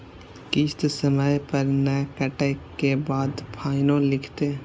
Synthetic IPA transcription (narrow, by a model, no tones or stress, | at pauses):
kɪst̪səməjpəɾnɛːkəʈəkebaːd̪pʰaːɪnõːlɪkʰt̪eː